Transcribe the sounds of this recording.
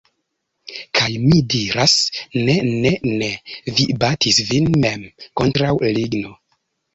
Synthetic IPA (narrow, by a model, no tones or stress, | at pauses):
kʰajmidiɾasnenenevibatʰisvinmemkontɾawliɡno̞